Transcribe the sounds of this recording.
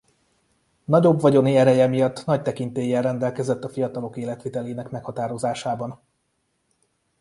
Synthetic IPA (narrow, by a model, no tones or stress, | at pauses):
nɒɟo̞bʋɒɟo̞niɛɾɛjɛmijɒt̪ːnɒct̪ɛkint̪eːjːɛlrːɛnd̪ɛlkɛzɛt̪ːɒfijɒt̪ɒlo̞keːlɛt̪ʋit̪ɛleːnɛkmɛkhɒt̪aːɾo̞zaːʃaːbɒn